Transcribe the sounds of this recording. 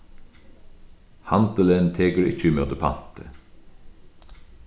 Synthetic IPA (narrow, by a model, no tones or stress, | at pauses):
hɑnd̪ələnt̪ʰeːɡəɾɪ̰t͡ʃəmœd̪əpʰa̰nt̪ʰə